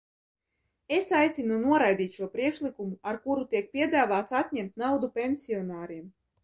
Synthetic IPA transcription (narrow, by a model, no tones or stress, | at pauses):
esajt̪sinunuɔɾajd̪ʲiːt̪ʃuɔpɾiɛkʃlˠikumuaɾkuɾut̪iɛk̚pʲiɛd̪aːvaːt̪sat̪ʲnʲɛmt̪̚ʲnawd̪upʲenʲsʲiɔnaːɾiɛm